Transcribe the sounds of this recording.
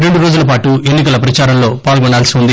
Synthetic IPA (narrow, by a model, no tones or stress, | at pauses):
ɾe̞ɳɖuɾoːd͡ʒulɐp̬aːʈue̞nːikɐlɐp̬ɾɐt͡ʃaːɾɐmlo̞ːpaːlɡɔɳɖaːlsiund̪i